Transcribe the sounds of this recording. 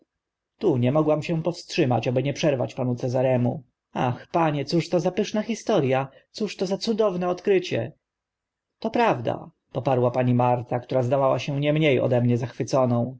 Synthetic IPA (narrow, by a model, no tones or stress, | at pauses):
t̪uɲɛmɔɡwamɕɛ̃pɔfstʂɘmat͡ɕabɘɲɛpʂɛɾva̰t͡ɕpanut̪sɛzaɾɛmu | a̰xpaɲɛt̪suʂt̪ɔzapɘʂnaxʲist̪ɔɾjat̪suʂt̪ɔzat̪sud̪ɔvnɛɔt̪kɾɘt͡ɕɛ̰ | t̪ɔpɾavd̪a̰ | pɔpaɾwapaɲimaɾt̪akt̪uɾazd̪avawaɕɛw̃ɲɛmɲejɔ̰d̪ɛmɲɛzaxfɘt̪sɔnɔ̃w̃